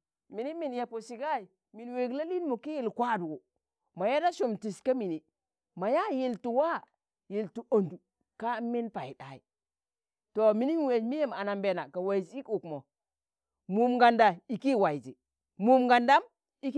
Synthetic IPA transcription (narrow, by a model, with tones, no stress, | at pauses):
mi˨ni˦mi˨nja˨po˨si˨ɡa˦i˨ | mi˨nwe˨ɡla˦li˦nmu˨ki˦ji˦˨lkʷa˦˨du˨ɡu˨ | ma˨ja˦da˦ʃu˨mti˨ska˦mi˨ni˨ | ma˨ja˦ji˨ltu˨wa˦˨ | ji˨ltu˨o˨ndu˨ | ka˦mːi˦npa˨i˨da˨i˨ | to˨mi˨ni˦mi˦we˨d͡ʒmi˦je˦ma˨na˨mbe˨na˨ka˨wa˨zi˦ku˨kmo˨ | mu˨mɡa˨nda˨i˨ki˦˨wa˨i˨zi˨ | mu˨mɡa˨nda˦m | i˦k